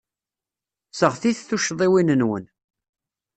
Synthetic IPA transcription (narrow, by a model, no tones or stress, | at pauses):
səʁθiθθuʃðˤiwinənwə̰n